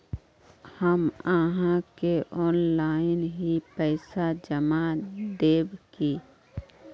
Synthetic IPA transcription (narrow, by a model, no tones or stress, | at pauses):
həmaːɦãkeʔɔːnlaːɪnɦipɛːsad͡ʒəmad̪eːbkiː